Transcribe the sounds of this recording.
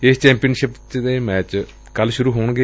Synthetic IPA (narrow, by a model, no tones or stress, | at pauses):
ɪst͡ʃɛ̃ːmpijənʃɪpt͡ʃd̪eːmɛːt͡ʃ | kəlʃʊɾuːɦoːɳɡe